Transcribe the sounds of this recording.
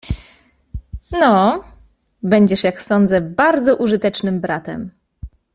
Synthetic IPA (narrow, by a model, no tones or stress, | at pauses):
nɔ | bɛɲd͡ʑɛʂjaksɔnd̪zɛbaɾd̪zɔʔuʐɘt̪ɛt͡ʂnɘmbɾat̪ɛ̰m